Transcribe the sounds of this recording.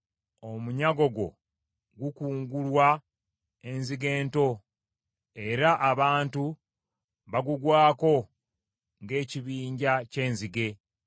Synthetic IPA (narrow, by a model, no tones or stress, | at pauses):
o̞muɲaɡo̞ɡo̞̰ | ɡukuːŋɡulwa | e̞nziɡe̞ːnto̞ | e̞ɾaʔːβaːntu | βaɡuɡwaːko̞ | ŋɡe̞ːciβiːɲɟace̞ːnziɡe̞